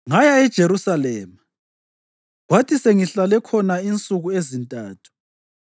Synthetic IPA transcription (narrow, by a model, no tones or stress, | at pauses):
ŋajaɛd̥ʒ̥ʱeɾusalɛːma | ɣwatʰiseŋiɬalɛkʰɔnaint͡sʼuɣuezintʼa̰ːtʰu̥